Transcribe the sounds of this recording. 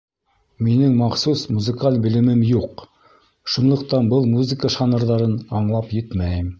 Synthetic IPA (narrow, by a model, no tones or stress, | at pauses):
minɘŋmɑχsusmuzɘ̆kalʲbɘ̆lɘ̆mɘmjuq | ʃunlˠɤ̆qt̪ɑnbɤlˠmuzɨkəʃɑnɤ̆ɾðɑɾɤnɑɴlˠɑpjɘt̪mæjɘm